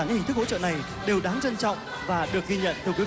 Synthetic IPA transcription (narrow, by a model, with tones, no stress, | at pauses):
hi˨˩ŋt̪ɨ˦˥kho̰˧˥˦t͡ɕə̰˧˨na˨˩j | ɗe˨˩wɗaː˨˦ŋt͡ɕə˧nt͡ɕɔ̰˧˨wŋ͡m | vaː˨˩ɗɨ˨˩ək̚ɣi˧ɲə̰˧˨nt̪ɨ˨˩kwi˨˦